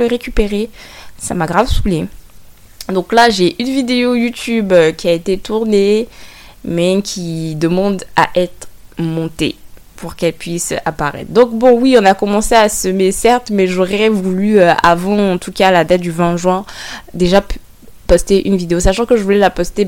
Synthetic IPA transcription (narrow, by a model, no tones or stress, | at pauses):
ləʁekʲypeʁesa̰maɡʁavsule | d̪ɔ̃klaʒeʔynvid̪eojut̪ybøkʲiaet̪et̪uʁne | mɛkʲʰid̪əmɑ̃d̪a̰ʔɛt̪χmɔ̃t̪e | pʰuʁkɛlpɥisapaʁɛ̰t̪χd̪ɔ̃kbɔ̃wiɔ̃nakɔmɑ̃seasəmesɛʁt̪mɛʒoʁɛvulyøʔa̰vɑ̃ɑ̃t̪ukalad̪at̪̚d̪yvɛ̃ʒɥɛ̃d̪eʒa | pɔst̪eʔynvid̪eosaʃɑ̃kəʒəvulɛlapɔst̪e